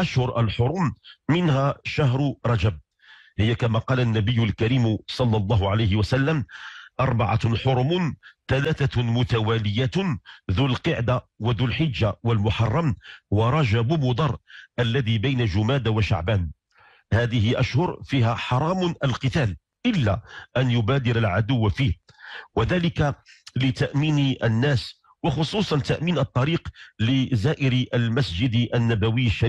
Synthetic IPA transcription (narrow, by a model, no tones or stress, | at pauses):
ʔaʃhʊɾʔalħʊɾˤʊmːɪnhæːʃahɾɾˤɑd͡ʒab̚ | hɪjːakamaqɑːlanːabəjːʊlkæɾiːmsˤɑlːɑlˤːɑːɦʊʕalajhɪwasalːamʔɑɾˤbɑʕa̰ħʊɾˤmʊnt̪alaːθamʊt̪awæːlɪjaðuːlqɨʕd̪awaðuːlħɪd͡ʒːawalmʊħɑrˤːɑmwaɾˤɑd͡ʒabʊmʊd̪ˤɑɾˤʔalːæd̪ibajnaʒʊmæːd̪waʃa̰ʕbæːn | haːðɪhɪʔæʃhʊɾfiːhæħɑɾˤɑːmnəlqɨt̪æːl | ʔɪlːæ̰ʔænjʊbæːd̪ɪɾalʕad̪ʊwːfiːwaðæːlɪkalɪt̪aʔmiːnʔənːæːs | wɑxʊsˤuːsˤɑnt̪aʔmiːnɑt̪ˤːɑɾiːqlɪzaːʔɪɾʔəlmæsd͡ʒɪd̪ʔənːæbæwɪjːʃː